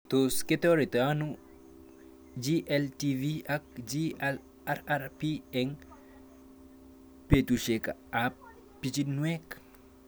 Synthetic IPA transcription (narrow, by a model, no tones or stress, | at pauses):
t̪osket̪oɾit̪anu | d͡ʒiʔɛlt̪iviak̚d͡ʒial | aɾaɾpiɛŋ | pet̪uʃekaa | pːit͡ʃinwɛk